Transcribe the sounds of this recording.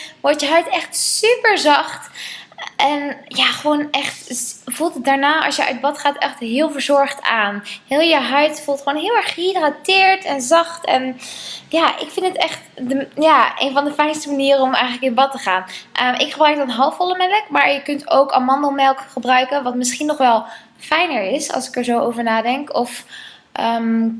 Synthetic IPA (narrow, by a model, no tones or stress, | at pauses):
ʋɔɹtjəɦœɥtɛχtsypəɹzɑχt | ʔɛnjaːχəʋoːnʔɛχtvulˠtət̚daːɹnaːɑ̰sjəʔœ̰ɥd̚bɑtχaːtɛχtɦɪːlˠvəɹzɔɹχtaːnhɪːlˠjəɦœɥtfulˠtχəʋoːwnɦɪːlˠɛɹχidratɪːɹtɛnzɑχtɛ̰njaːʔɪ̰kfɪndətɛχtdəjaːʔḛjnvɑndəfɛjnstəmaniːrəɔmɛ̰jxənləkɪnbɑtəχaːnʔəmʔɪkχəbrœɥk̚dɑnɦɑlˠfɔlˠəmɛləkmaːɹjəkɵnto̰wkɑ̰mɑndəlˠmɛlˠkχəbrœɥkənʋɑtmɪsχinːɔχʋɛlˠ | fɛjnəɹɪsɑ̰lˠsɪ̥kəɹzowo̰wvəɹnaːdɛŋkɔf | ʔəm